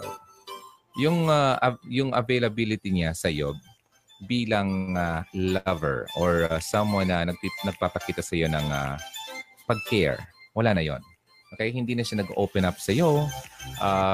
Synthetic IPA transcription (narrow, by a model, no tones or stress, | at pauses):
jʊŋaʔjʊŋɐ̰vejlɐbilɪt̪iɲasɐjo̞̰ | biːlɐŋalavɛ̰ɹʔoɹasɐmwanːɐnɐɡ̚inɐɡ̚paːpɐkiːt̪ɐsɐjonɐŋa̰ | pɐɡ̚kɛɹwɐlaːnɐjo̞̰n | kɐjahɪnd̪iːnɐʃanɐɡʔoːwpɛnap̚sɐjoʔa